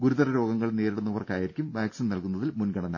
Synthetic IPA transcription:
ɡuɾuðɐɾɐɾo̞ːɡɐŋːɐɭneːɾiɽunːɐʋɐrkaːjiɾikʲːumʋaːksinnɐlkunːɐðilmunɡɐɳɐnːa̰ː

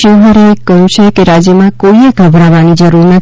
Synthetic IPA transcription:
əɦəɾekəjũt͡ʃʰekeɾad͡ʒjəmãkoieɡʱəbʱɾaʋanid͡ʒəɾuɾnət̪

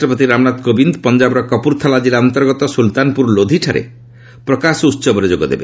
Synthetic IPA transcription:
ʈɾɔpɔt̪iɾamnat̪kobind̪ɔpɔnd͡ʒabɾɔkɔpuɾt̪ʰalad͡ʒilaɔnt̪ɔɾɡɔt̪ɔsult̪anpuɾlod̪ʱiʈʰaɾḛ | pɾɔkasɔut̪ːsɔbɔɾed͡ʒoɡɔd̪ḛbe

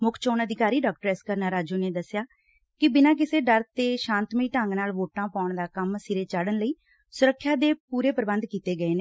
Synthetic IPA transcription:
mʊkʰt͡ʃoːnəd̪ɪkaːɾiːɖaːk̚ʈəɾɛskəɾnaːɾaːd͡ʒuːneːd̪əsɪjaː | kɪbɪnãːk̬ɪseːɖəɾt̪eːʃãːnt̪miːʈə̃ŋɡnaːlʋoːʈãːpaːʊɳd̪aːkəmsɪɾeːt͡ʃaːɽənləiː | sʊɾəkʰːjaːd̪eːpuːɾeːpəɾbə̃nd̪kiːt̪eːɡəeːneː

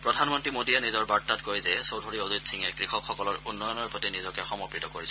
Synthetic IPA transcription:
pɹɔdʱanmɔntɹimodiɛnizɔɹbaɹtatkojzɛsowdʱoɹioditsiŋɛkɹixɔkxɔkɔlɔɹunːɔjɔnɔɹpotinizɔkɛxɔmɔpɹitɔkoɹisɛ

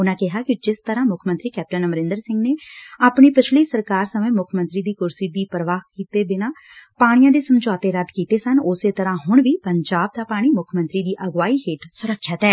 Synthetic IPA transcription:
ʊnãːkɪɦaːkɪd͡ʒɪst̪əɾãːmʊkʰmənt̪ɾiːkɛːp̚ʈənəməɾɪ̃nd̪əɾsɪ̃ŋɡneːaːpɳiːpɪt͡ʃʰliːsəɾkaːɾsəmẽːmʊkʰmənt̪ɾiːd̪iːkʊɾsiːd̪iːpɾəʋaːhkiːt̪eːbɪnãːpaːɽ̃ɪjãːd̪eːsəmd͡ʒaːt̪eːɾəd̪kiːt̪eːsənʊseːt̪əɾãːɦʊɳ̃ʋiːpəɲd͡ʒaːb̚d̪aːpaːɽ̃iːmʊkʰmə̃nt̪ɾiːd̪iːʔəɡʋaːiːɦeːʈsʊɾəkʰːʃət̪ɛː

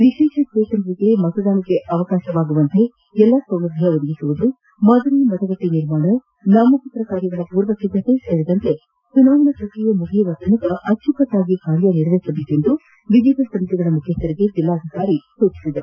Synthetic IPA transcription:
ʋiʃeːʃɐsʈeːʃɐnɐɾiɡemɐt̪ɐd̪aːnɐke̞ʔɐʋɐkaːʃɐʋaːɡuʋɐnt̪e̞ | ɛlːasɐwlɐd̪ʱijɐod̪ɐɡisuʋud̪u | mɐd̪ɐnimɐt̪ɐɡɐʈːiniɾmaːɳɐ | naːmɐput̪ɾɐkaːɾjɐɡɐɭɐpuːɾʋɐsid̪ʱːɐt̪e̞seːɾid̪ɐnt̪e̞ | sunaːʋɐnɐt͡ʃoʈːijɐmukʰeʋɐt̪ʰɐnik̪ɐʔɐt̪ʃukɐt̪ːaːɡikaːɾjɐniɾʋeːsɐbekend̪u | ʋiʋid̪ʱɐsɐmit̪ɛɡɐɭɐmukʰjɐst̪ːɐɾiɡe̞d͡ʒ̪ilːaːd̪ʱikaːɾisuːt͡ʃi̥sid̪ɐɾu

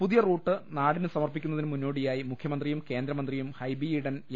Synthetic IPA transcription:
puðijɐruːʈːɨnaːɽinɨsɐmɐrpikʲːunːɐðinɨmunːo̞ːɽijaːjimukʰjɐmɐnd̪rijumke̞ːnd̪ɾɐmɐnd̪rijumhɐjbiiɽɐn

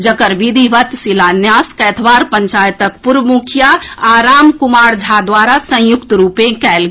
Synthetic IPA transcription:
d͡ʒəkəɾʋid̪ʱiʋət̪silanjaskɛːt̪ʰbaːɾpə̃ɲt͡ʃaːjt̪əkpuɾʋmukʰjaaɾaːmkumaːɾd͡ʒʱad̪waɾasə̃jʊkt̪ɾuːpẽkɛl

